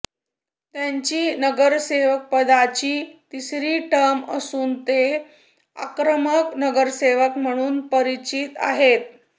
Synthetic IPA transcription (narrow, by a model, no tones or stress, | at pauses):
t̪jaɲt͡ɕiːnəɡəɾseʋək̚pəd̪at͡ɕiːt̪isɾiːʈəməsuːnt̪e | a̰kɾəməknəɡəɾseʋəkm̤əɽ̃uːnpəɾit͡ɕit̪a̰ɦet̪̚